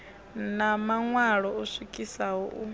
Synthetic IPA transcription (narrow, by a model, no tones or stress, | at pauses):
namaŋwaɺɔusʷikʼisaɦɔʔu